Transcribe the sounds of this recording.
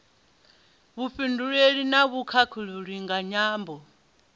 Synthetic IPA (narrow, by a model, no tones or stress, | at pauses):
βuɸinduɺeɺinaβukʰakʰuluɺiŋɡaɲaːmbɔ